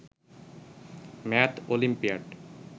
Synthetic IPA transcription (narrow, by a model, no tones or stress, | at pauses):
mɛt̪ʰolimpiaɖ